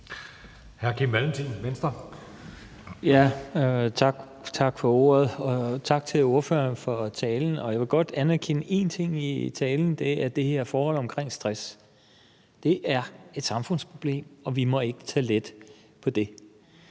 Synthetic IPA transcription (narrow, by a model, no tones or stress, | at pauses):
hæɐkʰimʋælm̩t͡sʰiːnʋensd̥ɐ | jæ | t͡sʰɑɡ̥ | t͡sʰɑ̈ɡ̥fɒ̽o̝̰ɐð̩ˠɒ̽t͡sʰɑ̈ɡ̥̚t͡sʰe̝lo̝ɐfø̰ɐnfɒ̽t͡sʰɛːln̩ɒ̽jɑ̈ʋe̝ɡ̥ɒ̽d̥ænæɐkʰenəe̝̰nt͡sʰe̝ŋ̰it͡sʰɛːln̩d̥e̝æɐd̥e̝he̝ɐfɒːhɒ̽l̰ɒ̽mkʰʁeŋ̰sd̥ʁas | d̥e̝ʔæɐe̝d̥sɑ̈mfɔ̽n̰spʰʁo̝b̥le̝̰ːmɒ̽ʋimɒ̽e̝ɡ̥ət͡sʰɛ̰ːled̥ | pʰɒ̽d̥e̝